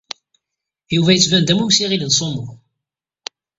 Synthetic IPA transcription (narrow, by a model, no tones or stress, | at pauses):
juvæjət͡sːvænd̪æmusiʁilənsˤomʊ